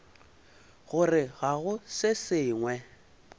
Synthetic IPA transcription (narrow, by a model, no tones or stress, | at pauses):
ɣʊrɪɣaɣʊsɪsɪːŋwɛ